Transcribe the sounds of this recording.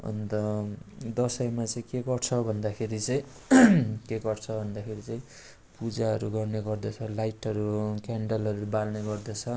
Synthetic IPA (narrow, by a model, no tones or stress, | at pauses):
ʌ̰nt̪ʌd̪ʌsʌjmat͡sʌĩkeɡʌrt͡sʰʌbʱʌnd̪akʰeɾit͡sʌĩ | keɡʌrt͡sʰʌbʱʌnd̪akʰeɾit͡sʌĩ | pud͡zaɦʌɾuɡʌrneɡʌrd̪ʌt͡sʰʌlajʈʌɾukaɳɖʌlʌɾubalneɡʌrd̪ʌt͡sʰʌ